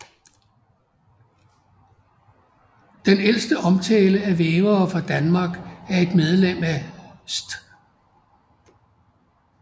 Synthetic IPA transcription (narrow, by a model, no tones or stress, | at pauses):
d̥enel̰sd̥əʔɒ̽mt͡sʰɛːləæʋeːʊɐːfɑ̈d̥ænmɑ̈ːɡ̥æɐe̝d̥með̞ˠlem̰æsd̥